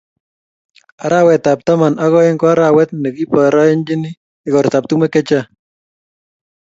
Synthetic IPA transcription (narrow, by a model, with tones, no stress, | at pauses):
a˨ɾa˦wɛ˨t̪a˨p̚t̪a˦ma˨na˦ɣɔ˦ɛ˦ŋkɔ˦a˦ɾa˨wɛ˦t̪̚nɛ˨ki˦pɔ˨ɾa˦ɛ˦nd͡ʒɪ˦nɪ˦ | ɪ˨ɣɔ˨ɾt̪a˨p̚t̪u˦mɛ˦kɛ˦t͡ʃa˦